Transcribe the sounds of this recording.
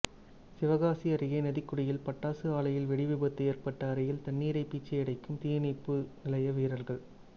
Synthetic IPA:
sɪʋɐɣaːsiɐɾɪɣɐɪnɐðɪkːʊɽɪjɪlpɐʈːaːsɯaːɭɐjɪlʋɛɽɪʋɪbɐt̪ːɯeːɾpɐʈːɐːɾɐjɪlt̪ɐnːiːɾɐɪpːiːt͡ʃːɐɪɽɐɪkːɯmt̪iːjɐnɪpːɯnɪlɐjɐʋiːɾɐɾɣɐɭ

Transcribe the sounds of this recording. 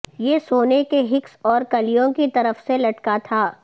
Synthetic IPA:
jesoːnekeɦɪksɔːɾkɐlijõkit̪ɐɾəfselɐʈkat̪ʰaː

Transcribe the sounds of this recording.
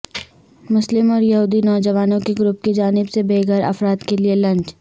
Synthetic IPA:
mʊslɪmɔːɾjɐɦuːd̪inɔːd͡ʒɐʋaːnõkeɡɾʊp̚ked͡ʒaːnɪbsebeːɡʱəɾɐ̰fɾaːd̪kelielɐ̃ɲt͡ʃ

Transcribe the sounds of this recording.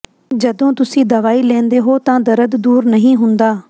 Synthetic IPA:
d͡ʒəd̪õːt̪ʊsĩːd̪əʋaːiːlɛ̃ːnd̪eːɦoːt̪ãːd̪əɾəd̪d̪uːɾnəɦĩːɦʊnd̪aː

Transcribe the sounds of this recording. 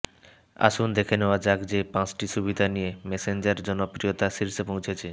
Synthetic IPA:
a̰ʃund̪ekʰeneoad͡ʑaɡd͡ʑepãt͡ɕʈiʃubid̪ʱanijemesend͡ʑaɾd͡ʑɔnopɾiot̪aʃiɾʃepõw̃t͡ɕʰet͡ɕʰe

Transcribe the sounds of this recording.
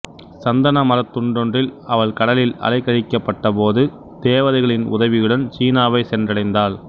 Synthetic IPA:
sɐnd̪ɐnɐmɐɾɐt̪ːʊɳɖɔndrɪlɐʋɐɭkɐɽɐlɪlɐ̰lɐɪkːɐɻɪkːɐpːɐʈːɐpoːðɯ | d̪̥eːʋɐðɐɪɣɐɭɪnʊ̰ðɐʋɪjɯɽɐnt͡ʃiːnaːʋɐɪsɛndrɐɽɐɪnd̪aːɭ

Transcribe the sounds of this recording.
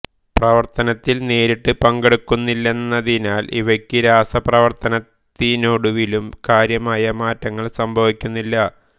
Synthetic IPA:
prɐʋɐrt̪ɐnɐt̪ːilne̞ːɾiʈːɨpɐŋɡeɽukːunːilːe̞nːɐðinaːlʔḭʋɐkʲːɨɾaːsɐprɐʋɐrt̪ɐnɐt̪ːinoɽuʋilumkaːɾjɐmaːjɐmaːtːɐŋːɐɭsɐmbʱɐʋikʲːunːilːɐ

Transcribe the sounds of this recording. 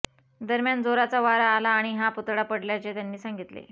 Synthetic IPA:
d̪əɾmjand͡zoɾat͡saʋaɾaːlaːɽ̃iɦaput̪ɽapəɽljat͡ɕet̪janːiːsaŋɡit̪lḛ

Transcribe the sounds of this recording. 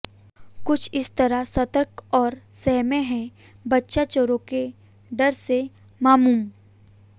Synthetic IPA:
kʊt͡ʃʰɪst̪ɐɾasɐt̪əɾkɔːɾsɛɦmẽɦɛ̃ | bɐtːʃat͡ʃoɾõke | ɖɐɾse | maːmuːm

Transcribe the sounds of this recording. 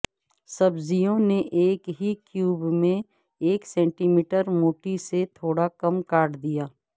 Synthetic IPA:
sɐbzijõneʔeːkɦikjuːbmẽ | eːksɛ̃ːɳʈiːmiːʈəɾmoːʈiset̪ʰoːɽakɐmkaːɾɖd̪ijaː

